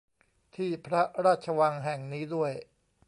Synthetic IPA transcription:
t̪ʰiː˥˩pʰɾa˦˥ɾaː˥˩t̪̚t͡ɕʰa˧wa˧ŋɦɛ˨˩ŋniː˦˥du˥˩əj

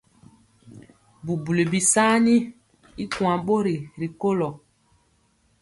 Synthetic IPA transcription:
bu˨bu˨le˨bi˨saː˦ni˦ | i˦kw̃a˨ɓo˦ɾi˨ɾi˨ko˦lɔ˨

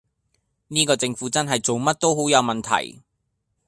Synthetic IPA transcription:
niː˥kɔː˧t͡sɪ˧ŋfuː˨˥t͡sɐ˥nɦɐ˨jt͡so˨wmɐ˥t̚t̪o˥wɦo˨˥wjɐ˨˧wmɐ˨nt̪ʰɐ̰˨˩j

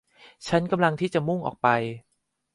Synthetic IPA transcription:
t͡ɕʰa˦˥nka˧mla˧ŋt̪ʰiː˥˩t͡ɕa˨˩mu˥˩ŋʔɔ̰ː˨˩k̚pa˧j

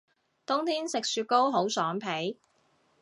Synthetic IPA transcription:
t̪ʊ˥ŋt̪ʰiː˥nsɪ˨k̚syː˧t̚ko˥wɦo˨˥wsœː˨˥ŋpʰe˨˥j

